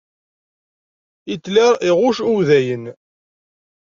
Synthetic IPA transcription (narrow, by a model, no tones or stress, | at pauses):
it͡sːlæɾiʁʊʃuwðæjən